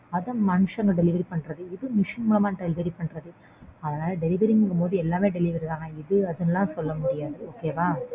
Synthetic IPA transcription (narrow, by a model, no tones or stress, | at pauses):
ɐðɐ̃mɐnɯʂɐŋɡɐɖɛlɪʋɐɾipɐɳːrɐðɯɪðɯnɪʂɐnmuːlɐmaːɖɛlɪʋɐɾipɐɳrɐðɯ | ɐðɐnaːlɐɖɛlɪʋɐɾɪŋɡɯŋɡɐmoːðɯɛlːaːmeːɖɛlɪʋɐɾiðãːŋɡɐɪðɯɐðɐnɐlːãːsɔlːɐmʊɽɪjaːðɯoːkeːʋaː